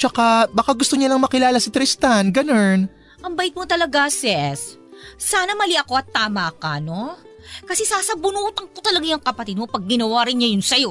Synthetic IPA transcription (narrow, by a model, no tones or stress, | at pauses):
t͡ʃɐkabɐkaɡʊst̪oɲɐlɐŋmɐkɪlaːlɐsɪt̪ɾɪst̪anɡɐno̞n | ʔɐŋbɐjɪt̪̚mot̪ɐlɐɡasɛsː | aːnɐmɐliʔɐko̞ʔɐt̪ːaːmakɐno̞kɐsɛsaːsɐbʊnuːt̪ɐŋkot̪ɐlɐɡajɐŋkɐpɐt̪ɪd̪̚mopɐɡ̚ːɪnɐwaːɾɪnɲɐjʊnsɐjo̞